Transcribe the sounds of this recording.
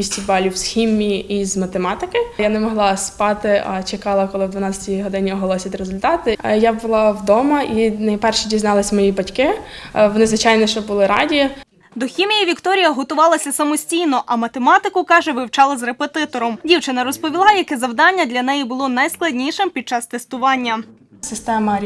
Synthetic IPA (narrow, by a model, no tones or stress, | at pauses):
isʲtʲibɑlʲiwsxʲimʲijiizmɐt̪emɑt̪ɪkɪjanɛmɔɦlˠɑspɑt̪ɪʔɐ̰t͡ʃekɑlˠɐkɔlˠɪwd̪ʋɐnɑt͡sʲɐtʲijɦɔd̪ɪnʲiɔɦɔlˠɔsʲit̪ʲɾezʊlʲt̪ɑt̪ɪjabʊlˠɑwd̪ɔmɐʔinɐjpɛrʃidʲiznɑlˠɐsʲmɔjibɐtʲkɪʋɔnɪzʋɪt͡ʃɑjnɛʃt͡ʃɔbʊlˠɪɾɑ̰dʲiji | d̪ɔxʲimʲijiʋʲikt̪ɔɾʲijɐɦɔt̪ʊʋɑlˠɐsʲɐsɐmɔsʲtʲijnɔʔɐmɐt̪emɑt̪ɪkʊkɑʒɛʋɪwt͡ʃɑlˠɐzrepet̪ɪt̪ɔɾɔmdʲiwt͡ʃɪnɐɾɔspɔʋʲilˠɑjɐkɛzɐwd̪ɑnʲːɐd̪lʲɐnɛjibʊlˠɔnɐjsklˠɐdʲnʲiʃɪmpʲid̪̚t͡ʃɑst̪est̪ʊʋɑnʲːɐ | sɪst̪ɛmɐɾʲ